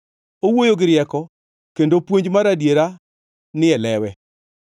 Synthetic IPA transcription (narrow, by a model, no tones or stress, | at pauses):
owojoɡɪɾɪjɛkɔ | kendopwoɲd͡ʒmaɾadjeɾa | nɪɛlɛwɛ